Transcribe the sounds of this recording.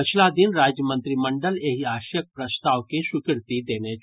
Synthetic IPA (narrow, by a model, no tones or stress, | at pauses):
pɪt͡ʃʰlad̪ɪnɾaːd͡ʒjəmə̃nt̪ɾimə̃ɳɖəleɦiaːʃjək̚pɾɐst̪aːʋkesʊkɪɾt̪id̪eːne